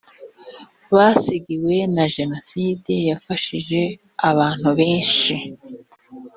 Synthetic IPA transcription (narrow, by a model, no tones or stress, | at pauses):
βaːsiɡiwe̞naʒe̞no̞siːdejafaʃiʒe̞ | aβaːn̥huβe̞ːnʃi